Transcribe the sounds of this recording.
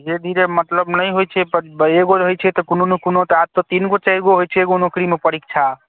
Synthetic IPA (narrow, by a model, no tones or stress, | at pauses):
d͡ʒed̪ʱiɾemət̪ləbnəjɦojt͡ʃʰɛpeɡoɾɦojt͡ʃʰɛt̪ɔkunonokunot̪ɔad̪̚t̪ot̪inɡot͡ʃajɾɡoɦojt͡ʃʰɛːɡonokɾimepəɾik̚t͡ʃʰa